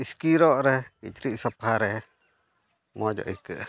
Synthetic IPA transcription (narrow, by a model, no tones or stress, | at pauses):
iskiɾɔʔɾɛhkḭt͡ʃɾiʔsɔpaɾɛh | mɔd͡ʒɔ̰ʔikəʔ